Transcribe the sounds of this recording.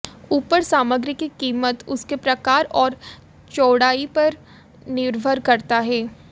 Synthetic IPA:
uːpəɾsaːməɡɾɪkːikiːmət̪ʊskepɾɐkaːɾɔːɾ | t͡ʃoːɽaːipɐɾ | nɪɾbʱəɾkɐɾt̪aɦɛː

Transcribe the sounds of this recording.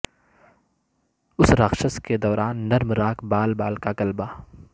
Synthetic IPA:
ʊsɾaxʃəsked̪ɔːɾaːnːɐɾmɾaːkbaːlbaːlkakɐlbaː

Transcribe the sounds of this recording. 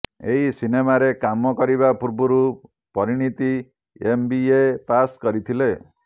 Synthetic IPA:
eɦisinemaɾekamɔkɔɾiβapuɾbuɾu | pɔɾiɽ̃it̪i | embiepaskɔɾit̪ʰile

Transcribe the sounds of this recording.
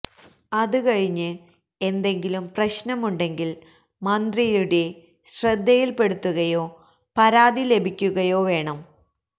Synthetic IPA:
ɐðɨkɐɻiɲːɨ | e̞nd̪e̞ŋɡilumprɐɕnɐmuɳɖe̞ŋɡil | mɐnd̪rijuɽe̞ | ɕrɐd̪ːɐjilpe̞ɽut̪ːuɣɐjo̞ː | pɐɾaːd̪ile̞bʱikʲːuɣɐjo̞ːʋe̞ːɳɐm

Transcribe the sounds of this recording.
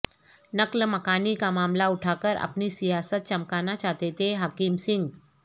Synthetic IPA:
nəkləməkaːnikamaːmlauʈʰakəɾa̰pniːsijaːsət̪̚t͡ʃəmkanat͡ɕat̪et̪eɦakimsiŋɡ

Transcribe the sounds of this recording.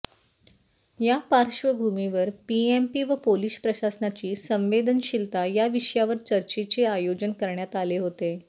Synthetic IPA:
japaɾɕʋəbʱumiʋəɾpiempiːʋəpolispɾəɕasnat͡ɕiːsə̃mʋed̪ʱənɕilt̪ajaʋiɕjaʋəɾt͡ɕəɾt͡ɕit͡seajod͡ʑənkəɾɳjat̪aleɦot̪e

